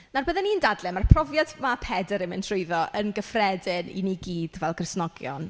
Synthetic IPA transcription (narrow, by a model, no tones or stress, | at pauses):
narbəðɛnindadlɛmarpʰrɔvjadmapʰɛdəɾɪmɪntʰrʊɨðɔʔənɡəfrɛdɪnḭniɡiːd̥vɛlˠkrɪsnɔɡjɔ̰n